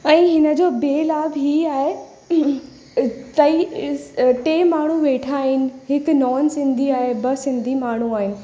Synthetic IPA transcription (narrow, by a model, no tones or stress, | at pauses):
ɛ̃ːɦɪnə̆d͡ʑoːbeːlaːbɦiːaːɦe | t̪ɐi | ʈeːmaːɳ̤uʋeːʈʰaːɦɪnɪ̆ɦɪknɔːnsɪ̃nd̪ʱiaːɦebɐsɪ̃nd̪ʱimaːɳ̤uaːɦɪnɪ̆